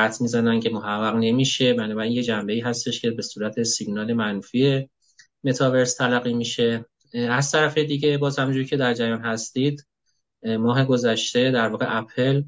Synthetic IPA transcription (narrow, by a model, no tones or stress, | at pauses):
æt̪ʰmiːzænæncʰe̞mo̞hæɡːæɣne̞miːʃe̞bænɒːbæɾiːnje̞d͡ʒæmbe̞iːɦæst̪e̞ʃcʰe̞be̞suːɾæt̪ʰe̞siɡnɒːle̞mænfie̞ | me̞t̪ʰɒve̞ɾst̪ʰælæɣiːmiʃe̞ | æz̥t̪ʰæɾæfe̞d̪iːɟe̞bɒːzhæmd͡ʒuːɾicʰe̞d̪æɾd͡ʒæjɒːnhæst̪iːd̪ | mɒːɦe̞ɡo̞zæʃt̪e̞d̪æɾvɒːɣe̞̰ʔæpʰel